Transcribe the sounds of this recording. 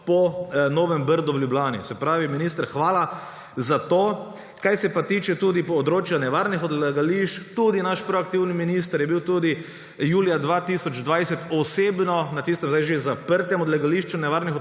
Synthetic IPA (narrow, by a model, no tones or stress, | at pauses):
pɔnoːʋɛmbəɾd̪uwljublʲaːnḭsɛpɾaːʋiminiːst̪əɾxʋaːla | zat̪oː | kajsɛpat̪iːt͡ʃɛt̪uːd̪ipɔd̪ɾoːt͡ʃjanɛʋaːɾnixɔd̪lɛɡaliʃt͡ʃt̪ud̪inaʃpɾɔak̚t̪iwniminist̪əɾjɛbiwt̪uːd̪i | juːlijad̪ʋaːt̪isɔd͡ʒd̪ʋaːjsɛt̪ɔseːbnɔnat̪is̬t̪ɛmzajʒezapəɾt̪ɛmɔd̪lɛɡaliʃt͡ʃunɛʋaɾnix